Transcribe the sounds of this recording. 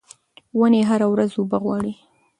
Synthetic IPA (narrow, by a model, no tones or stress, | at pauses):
wəneɦaɾawɾazubaɣwɑɽi